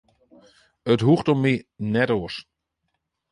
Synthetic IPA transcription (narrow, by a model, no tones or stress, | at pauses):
ətɦuxtɔminɛtoəs